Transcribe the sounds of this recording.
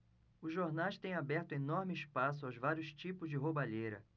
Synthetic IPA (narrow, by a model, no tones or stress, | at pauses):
ʊzʒoɾnajʃt̪ẽj̃abɛɾt̪ʊ̃enɔɾmɪiʃpas̬ʊawzvaɾjʊst͡ʃipʊzd͡ʒɪɦobaʎejɾɐ̰